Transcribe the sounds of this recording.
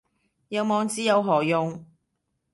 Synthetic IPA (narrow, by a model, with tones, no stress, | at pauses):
jɐ˨˧wmɔː˨˧ŋt͡siː˨˥jɐ˨˧wɦɔː˨˩jʊ˨˧ŋ